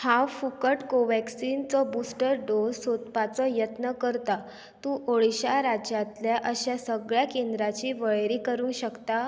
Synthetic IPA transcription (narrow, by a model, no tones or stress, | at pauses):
hawfukəʈkoʋæksint͡sɔbusʈəɾɖozsot̪pat͡sɔjət̪nəkəɾt̪a | t̪ũːʔoɭiɕaɾad͡ʑjat̪ljaʔəɕasəɡɭjakend̪ɾat͡ɕiːʋəɭɾiːkəɾũːnɕəkt̪a